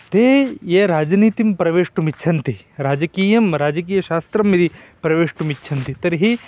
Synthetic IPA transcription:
t̪eːjeːɾaːd͡ʒniːt̪impɾɐʋeːʂʈumit͡ʃʰɐnt̪i | ɾaːd͡ʒɐkiːjɐmɾaːd͡ʒɐkiːjɐʃaːst̪ɾɐmːid̪i | pɾɐʋeːʂʈumiʃʰɐnt̪it̪ɐɾiɦi

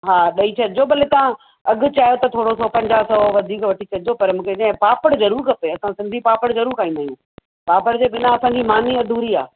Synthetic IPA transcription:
ɦaːɗɐit͡ɕʰɐɗɪd͡ʑobɐlet̪ɐã | ɐɠʊ̆t͡ɕaːjot̪ɐt̪ʰoːɽosɔːpɐ̃ɲd͡ʑaːɦsɐoʋɐd̪ʱiːkʋɐʈʰit͡ɕʰɐɗɪd͡ʑopɐɾmũːkʰeɗɐ̃ɦɪ̃paːpəɽzɐɾuːɾkʰɐpeɐsãsɪ̃nd̪ʱipaːpəɽ̃zɐɾuːɾkaːĩnd̪aːijũː | paːpəɽd͡ʑeːɓɪnaɐsãɲd͡ʑimaːniɐd̪ʱuːɾia̰ː

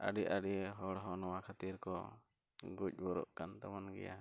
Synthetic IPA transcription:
ʔa̰ɖiʔaɖiɦɔɽɦɔnɔwakʰat̪iɾkɔ̰ | ɡuc̚ˀbɔɾɔ̰ʔkant̪amanɡɛ̰ja̰

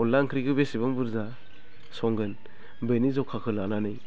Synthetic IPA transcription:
ɔlːaŋkʰɾiɡɯbesibɯŋbɯɾza | sɔŋɡɯn | benizɔkʰakʰɯlananɯj

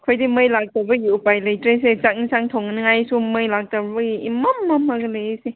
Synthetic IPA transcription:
kʰojdimɯjlak̚tabɐɡiupajlɐjtɾeset͡ʃak̚nisaŋtʰoŋnɯŋajsumɯjlak̚tabɐɡiimamːamaɡɯlɐjese

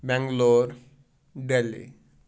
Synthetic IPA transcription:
bɛ̃ŋɡloɾ | ɖelḭ

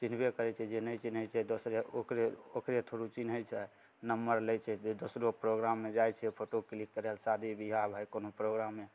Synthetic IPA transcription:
t͡ʃin̤bekəɾɛt͡ʃʰɛd͡ʒenəjt͡ʃinɦəjt͡ʃʰɛd̪osɾeo̰kɾeokɾet̪ʰoɾut͡ʃinɦət͡ʃʰɛ | nəmːəɾləjt͡ʃʰɛd̪osɾopɾoɡɾamːed͡ʒajt͡ʃʰɛpʰoʈoklikːəɾɛlsad̪ʱibiɦabʱajkonopɾoɡɾamːe

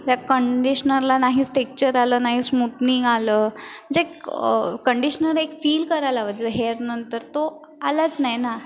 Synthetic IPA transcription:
t̪jakəɳɖiɕənəɾlanaɦiːsʈek̚t͡ɕəɾaləːnaɦiːsmut̪niŋɡaləːməd͡zekkəɳɖiɕənəɾekfiːlkəɾajlaʋəd͡zeɦeɾnənt̪əɾt̪o | alat͡snajna

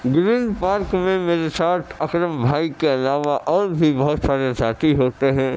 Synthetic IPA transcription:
ɡɾĩːnd̪paːɾkmẽmeːɾesaːʈ̪ʰɐkɾəmbʱaːikeɐlaːʋaʔɔːɾbʱibɐɦʊt̪saːɾesaːt̪ʰiɦoːt̪eɦɛ̃ː

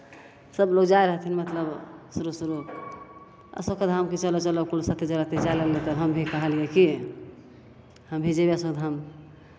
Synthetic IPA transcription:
səbloɡd͡ʒaeɾəɦət̪ʰinmət̪ləbsuɾusuɾu | ə̰sokəd̪ʱamket͡ʃəlot͡ʃəlokulsət̪ʰed͡ʒəɾat̪ed͡ʒajləɡlet̪əɦəmbʱikəɦəlijeki | həmbʱid͡ʒebeəsokd̪ʱam

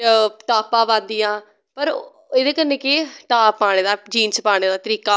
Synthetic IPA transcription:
ʈaːpãːʋãːnd̪ijãː | pəɾ | eːd̪eːkənːẽːkɪʈaːpːaːɽ̃eːd̪aːd͡ʒiːnsəpaːɽ̃eːd̪aːt̪əɾiːkaː

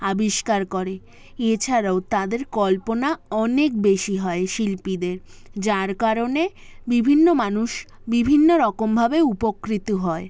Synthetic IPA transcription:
abiʃkaɾkoɾe | et͡ɕʰaɾaot̪ad̪eɾkɔlponaɔnek̚beʃiɦɔeʃilpid̪eɾd͡ʑaɾkaɾonebibʱinːomanuʃ | bibʱinːoɾɔkombʱabeupokɾit̪oɦɔe

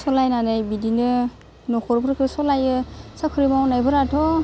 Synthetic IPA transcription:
sɔlajnanajbidinɯ | nɔkʰɔɾpʰɾɯkʰɯsɔlajɯsakʰɯɾimawnajbɯɾatʰɔ

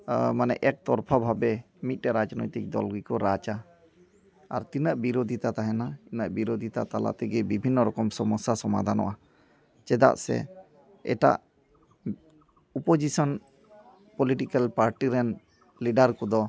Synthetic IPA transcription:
manɛ̰ʔɛk̚t̪ɔɾpʰabʱabɛ | mit̪̚ˀʈɛɾad͡ʒnɔ̰jt̪ik̚d̪ɔ̰lɡikɔɾat͡ʃa | a̰ɾt̪inaʔbiɾod̪ʱit̪at̪aɦɛnainaʔbiɾod̪ʱit̪a̰t̪ala̰ʔt̪ɛɡɛbibʱinːɔɾɔkɔmsɔmɔsasɔma̰d̪ʱanɔ̰ʔa | t͡ʃɛd̪a̰ʔsɛ̰ | ɛ̰ʈa̰ʔ | ɔpod͡ʒisɔn | pɔliʈikalpaɾʈiɾɛn | liɖaɾkɔd̪ɔ

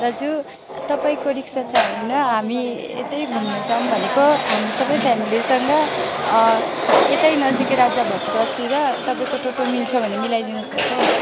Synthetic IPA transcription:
rʌd͡zu | t̪ʌpaĩkoɾiksat͡sʰʌbʌinʌɦami | ḛt̪ʌjbʱunːʌd͡zʌmbʱʌnekoɦamisʌbʌjpʰamilisʌŋɡʌ | et̪ʌjnʌd͡zikɾad͡zjabʱʌt̪ikːst̪iɾʌt̪ʌpaĩkoʈoʈomilt͡sʰʌbʱʌnemilajd̪inʌsʌk̚t͡sʰʌ

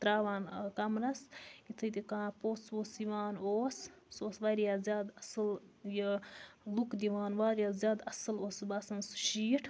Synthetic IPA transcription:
t̪ɾaːʋaːnkɐmɾɐsit̪ʰɨt̪ikãːpoːsoːsiʋaːnoːssoːsʋaːɾjaːzʲjaːd̪ɐsɨljəlukd̪iʋaːnʋaːɾjaːzjaːd̪ɐsɨloːsbɐsɐnsu̥ʃiːʈʰ

